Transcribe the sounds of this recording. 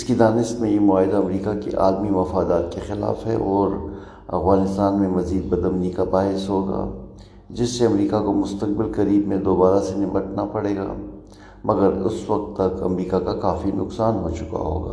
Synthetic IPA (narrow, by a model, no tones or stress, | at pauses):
ɪskid̪aːnɪʃt̪mẽjemʊaːɦɪd̪aɐmɾiːkakḛʔaːlmiʋɐfaːd̪aːt̪̚kexɪla̰ːfɦɛ̰ʔɔːɾ | ɐ̰fɣaːnɪst̪aːnmẽmɐziːd̪̚bɐd̪əmnikabaːɦɪsɦoːɡa̰ː | d͡ʒɪsːeɐmɾiːkakomʊst̪ək̚bɪlkɐɾiːbmẽd̪oːbaːɾasenɪməʈnapɐɽeːɡa̰ː | mɐɡəɾʊ̰sʋɐk̚t̪ːɐkɐ̰mɾiːkakakaːfinʊksaːnɦot͡ʃʊ̥ka̰ɦo̰ːɡa̰ː